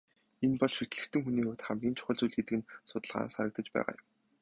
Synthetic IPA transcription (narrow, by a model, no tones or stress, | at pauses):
enpɔɮʃit̪̆ɮɘ̆xt̪ɘ̆ŋxuniːoːt̪χamɡʲiːnt͡ɕʰʊ̥χə̆ɮt͡sujɮɡet̪ɘ̆kɘ̆nsʊt̪ə̆ɮʁa̰ːnsaɾə̆k̚t̪ə̆t͡ɕpæ̰ːʁa̰ːjʊ̆m